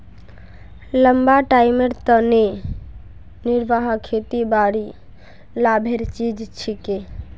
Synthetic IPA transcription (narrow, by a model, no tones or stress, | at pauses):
ləmbaʈajmeɾt̪əne | niɾbaɦkʰet̪ibaɽi | labʱeɾt͡ʃid͡ʒt͡ʃʰike